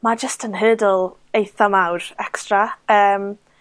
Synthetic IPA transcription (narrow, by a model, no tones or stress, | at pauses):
mad͡ʒəstʰənɦəːdəlˠ | ejθamawɾɛkstraəːm